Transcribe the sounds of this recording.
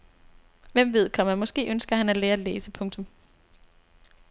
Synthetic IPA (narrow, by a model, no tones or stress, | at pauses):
ʋem̰ʋe̝ð̞̰ˠkʰɒ̽mæmɒ̽sɡ̥e̝̰ːʔønsɡ̥ɐhænæleːɐleːsəpʰɔ̽ŋt͡sʰɔ̽m